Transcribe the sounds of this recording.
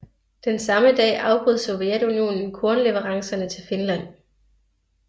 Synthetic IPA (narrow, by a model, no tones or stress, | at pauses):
d̥ensɑ̈məd̥ɛ̰ːʔɑ̈ʊb̥ʁuð̰ˠso̝ʋjed̥unio̝̰ːnn̩kʰɔɐnle̝ʋəʁɑ̈ŋsɐnət͡sʰe̝lfenlæn̰